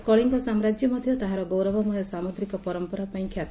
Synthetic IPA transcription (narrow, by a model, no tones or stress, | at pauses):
kɔɭiŋkɔsamɾad͡ʒjɔmɔd̪ʱjɔt̪aɦaɾɔɡowɾɔbɔmɔjɔsamoɡ̪ɾikɔpɔɾɔmpɔɾapaĩkʰjat̪